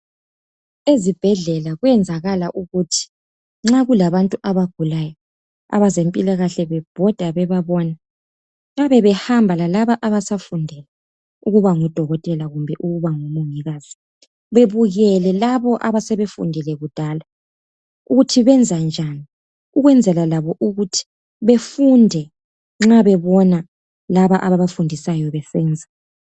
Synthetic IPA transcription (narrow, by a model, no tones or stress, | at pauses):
ezib̥ʱɛɮɛlaɣwɛnd͡zʱaɣalaʔuɣutʰi̥ | ŋ͡ǁaɣulaβantʼuʔaβaɡ̥ʱulajɔ | a̰βazempʼilaɣaɬɛβɛb̥ʱɔd̥ʱaβɛβaβɔna | ŋaβɛβɛhambʱalalaβaʔaβasafundʱɛlɛ | uɣuβaŋud̥ʱɔɣɔtʼɛlaɣumbʱɛʔuɣuβaŋumuŋiɣaːz̥i | βeβuɣɛlɛlaβɔʔaβasɛβefṵndʱɛlɛɣud̥ʱaːla | uɣutʰiβɛnd͡zʱand͡ʒʱani | uɣwɛnd͡zʱɛlalaβɔʔuɣutʰi̥ | βefundʱɛ | ŋ͡ǁaβɛβɔna | laβaʔaβaβafundʱisajɔβɛsɛːnd͡zʱa